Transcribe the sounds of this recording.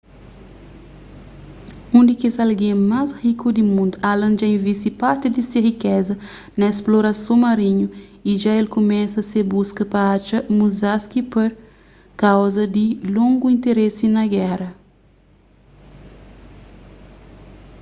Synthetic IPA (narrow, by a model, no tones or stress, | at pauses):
ũnd̪ikezalɡẽmazhikud̪imũnd̪ualɐ̃nd͡ʒɐĩvist̪ipaɾt̪id̪iseɦikɛzɐ | nɐesploɾɐsõmaɾĩɲuiʒaelkumɛsɐseɾbuskɐpɐat͡ʃɐmuzaskipeɾ | kawzɐd̪ilõŋɡuĩnt̪eɾesinɐɡɛɾɐ